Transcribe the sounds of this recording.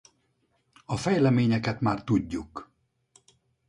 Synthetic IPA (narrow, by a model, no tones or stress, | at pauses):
ɒfɛjlɛmeːɲɛkɛt̪maːrt̪uɟːuk